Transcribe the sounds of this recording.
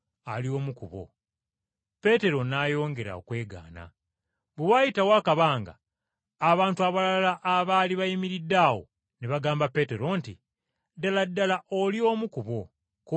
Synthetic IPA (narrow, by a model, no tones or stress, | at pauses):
alio̞ːmukuβo̞̰ | pe̞te̞ɾo̞naːjo̞ːŋɡe̞ɾa̰o̰kwe̞ːɡa̰ːna̰ | βewaːjitawaːkaβaːŋɡa̰ː | βaːntuaβalaalaʔːβaliβajimiɾidːaːwo̞̰ | neβaɡaːmbape̞ːte̞ɾo̞nti | daladːalaʔo̞lio̞ːmukuβo̞̰ | k